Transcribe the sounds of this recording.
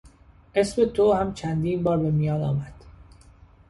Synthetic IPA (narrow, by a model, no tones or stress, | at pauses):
ʔesmet̪ʰohæmt͡ʃʰænd̪iːnbɒːɾbe̞mijɒːnɒ̰ːmæd̪̥